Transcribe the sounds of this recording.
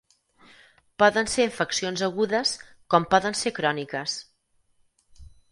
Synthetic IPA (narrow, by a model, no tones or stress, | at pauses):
pɔðənseɱfəksionzəɣuðəs | kɔmpɔðənsekɾɔnikəs